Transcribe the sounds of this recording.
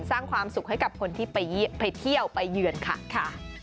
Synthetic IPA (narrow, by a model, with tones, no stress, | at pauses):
nsaː˥˩ŋkʰwaː˧msu˨˩k̚ɦa˥˩jka˨˩p̚kʰo˧nt̪ʰiː˥˩pa˧jpa˧jt̪ʰi˥˩əwpa˧jːɯː˧ənkʰa̰˨˩kʰa˥˩